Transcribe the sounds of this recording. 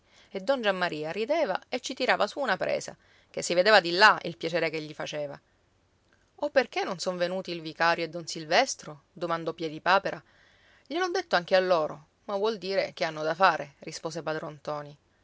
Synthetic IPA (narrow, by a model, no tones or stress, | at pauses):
ed̪ːɔnd͡ʒamːaɾʔiːaɾid̪ɛːva̰et͡ʃːit̪iɾaːvasuːnapɾʔḛːsa̰ | kesːived̪eːvad̪ilːaḭlpjat͡ʃeːɾekeʎːifat͡ʃeːva̰ | opːerkenːonsoɱvenuːt̪ilvikaːɾjoed̪ːonsilvɛst̪ɾo | d̪omand̪ɔpjɛd̪ipaːpeɾʔa | ʎelɔd̪ːet̪ːoaŋk̟ealːoːɾo | mavwɔld̪iːɾek̟eanːod̪afaːɾerispoːsepad̪ɾont̪ɔːni